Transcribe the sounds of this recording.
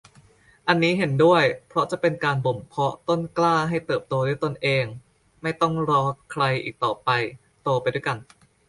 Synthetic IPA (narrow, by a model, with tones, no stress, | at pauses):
ʔa˧nːiː˦˥ɦe˩˦ndu˥˩əjpʰɾɔ˦˥t͡ɕa˨˩ʔpe˧nkaː˧nbo˨˩mpʰɔ˦˥t̪o˥˩nklaː˥˩ɦa˥˩jt̪ɤː˨˩p̚t̪oː˧du˥˩əjt̪o˧nʔeː˧ŋ | ma˥˩jt̪ɔ˥˩ŋɾɔː˧kʰɾa˧jʔḭː˨˩k̚t̪ɔː˨˩pa˧j | t̪o˧pa˧jdu˥˩˨jka˧n